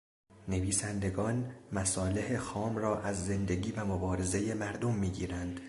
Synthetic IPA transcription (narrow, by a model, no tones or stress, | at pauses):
ne̞viːsænd̪e̞ɡɒːnmæsɒːle̞he̞xɒːmrɒːʔæzːe̞nd̪e̞ɡiːvæmobɒːɾe̞ze̞jemæɾd̪o̞mːiːɡḭːɾænd̪